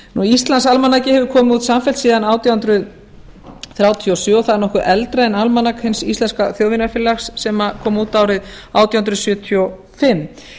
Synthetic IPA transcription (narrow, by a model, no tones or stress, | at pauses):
nuist̪lansalmanːacɪhɛvʏɾkʰɔːmɪuːt̪samfɛlsiːðanaːwt̪jahʏnt̪ɾʏð | θɾjaːwt̪ʰiɔsɔɔθaðɛɾnɔhkʏɾʔɛlt̪ɾanalmanakhɪnsist̪lɛnskaθjoːwvɪnafɪlːaxsːɛmakʰɔːmuːt̪aːwɾɪðawt̪jahnd̪ɾʏðsjʏːt̪ʰiɔ | fɪmː